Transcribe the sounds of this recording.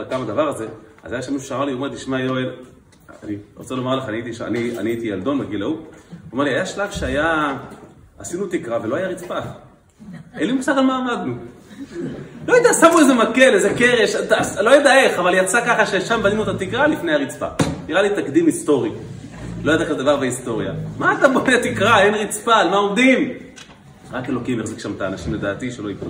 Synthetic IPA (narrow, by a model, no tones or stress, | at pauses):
kamad̪avaʁzea̰zajaʃemiʃuʃeamaʁliomeʁt̪iʃmajoel̰ | niʁot͡selomaʁleχaniit̪ia̰nia̰niait̪ijald̪o̞nbeɡilauome̞ʁliajaʃlavʃeaja | asinut̪ikʁaveloajaʁit͡spaf | elimusad̪almaːmad̪nu | lo̞jed̪asamuezemake̞lezeke̞ʁeʃat̪aslo̞jed̪ae̞χavaljat͡sakaχaʃeʃambanimuot̪at̪ikʁalifne̞jhaʁit͡spa̰niʁalit̪akd̪imist̪o̞ʁi | lojad̪eχed̪avaʁbeist̪o̞ʁja̰maːt̪abodet̪ikʁaenʁit͡spalmaomd̪im | ʁake̞lo̞kimeʁzikʃamt̪aːnaʃimle̞d̪a̰ːt̪iʃelo̞ik